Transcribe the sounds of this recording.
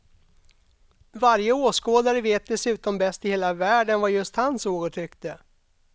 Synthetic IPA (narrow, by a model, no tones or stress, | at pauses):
vaɾjəoːskoːd̪aɾəveːt̪̚d̪ɛsʉ̟ːt̪ɔmbɛst̪ɪheːlavæːɖənvajɵst̪hansoːɡəʈʰɾʏkt̪ə